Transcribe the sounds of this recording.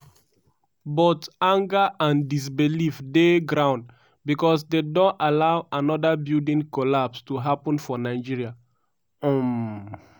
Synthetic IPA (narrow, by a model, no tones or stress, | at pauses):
bɔtãŋɡəʔãndis̬bilifdeɡɹãʊ̃nd | bikɔs̬dedɔ̃alaʊanɔdabildĩŋkɔlapstuɦapɔ̃nfɔnaɪd͡ʒiɹia | ɔ̃m